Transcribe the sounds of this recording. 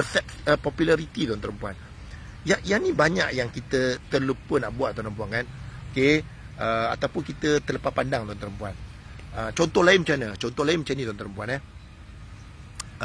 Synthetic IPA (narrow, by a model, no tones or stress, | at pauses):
əfɛk | əpɔpjulaɾit̪id̪ɔlant̪əɾəmpuan | jajanibaɲaʔjaŋkit̪ət̪əlupənaʔbuaʔ̚d̪ɔat̪əmpuankanoke | əa̰t̪awpʊnkit̪ət̪ələpapandaŋt̪uant̪əɾəmpuan | ət͡ʃɔnt̪ɔhlaɪnmət͡ʃanət͡ʃɔnt̪ɔhlaɪnmət͡ʃanid̪ɔant̪əɾəmpuanah